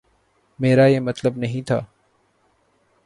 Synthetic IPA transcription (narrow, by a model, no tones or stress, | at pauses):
meːɾaːjeːmət̪ləbnəɦĩːt̪ʰa̰ː